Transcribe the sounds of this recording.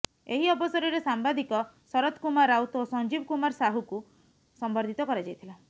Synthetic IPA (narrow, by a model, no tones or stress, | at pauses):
eɦiɔbɔsɔɾiɾesambad̪ʱikɔ | sɔɾɔt̪ʰkumaɾawt̪osɔnd͡ʒibkumaɾsaɦuku | sɔmbɔɾd̪ʱit̪ɔkɔɾad͡ʒajt̪ʰila